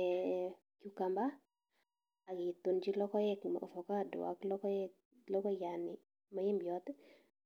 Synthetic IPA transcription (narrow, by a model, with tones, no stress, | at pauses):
ɛ˨ | kju˨ka˨mba˦ | a˨ɡɪ˨t̪u˨nd͡ʒi˦lɔ˦kɔ˦jɛ˦kma̰˨o̰˨fɔ˨ka˦˨dʊ̰˨a̰˦klɔ˦kɔ˦ɛ˦ | lɔ˦kɔ˦ja˨nɪ̰˨ | ma˨˦jɪ˦mbjɔ˦t̪